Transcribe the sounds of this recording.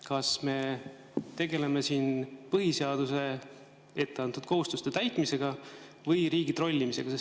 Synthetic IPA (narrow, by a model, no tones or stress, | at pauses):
kɑsme̞ | t̪e̞ɡe̞le̞me̞siːnpɤɦise̞ɑd̪̥use̞ | e̞t̪ːe̞ɑnt̪ud̪̥̚ko̞ɦust̪ust̪et̪æjt̪ˑmise̞ɡ̥ɑ | vɯjɾiːɡ̥it̪ɾro̞lʲːimise̞ɡ̥ɑse